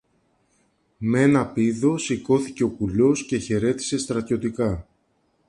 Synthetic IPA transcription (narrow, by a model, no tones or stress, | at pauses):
mee̞nɐpiðo̞siko̞θice̞o̞pulo̞sce̞çe̞ɾe̞t̪i̥se̞st̪ɾɐt̪ço̞t̪ikɐ